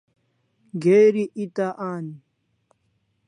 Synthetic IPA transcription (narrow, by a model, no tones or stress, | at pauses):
ɡeːɾiʔit̪aʔaːni